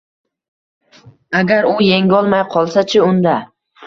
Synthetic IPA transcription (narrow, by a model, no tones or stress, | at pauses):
aɡʲaɾʊjeŋʲɒlˠmajqʰɒlˠsat͡ʃʰɪʊnd̪a